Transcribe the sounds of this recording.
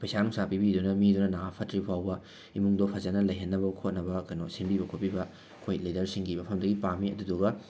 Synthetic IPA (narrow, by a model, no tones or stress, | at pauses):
pɐjsanuŋsapibidunɐmidunɐnaŋapʰɐtɾipʰawbɐ | imuŋdopʰɐzɐnɐlɐjɦɐnːɐbɐkʰot̚nɐbɐkɐnosinbibɐkʰot̚pibɐ | kʰojlidɐɾsiŋɡimɐpʰɐmdɐɡipamiɐduduɡɐ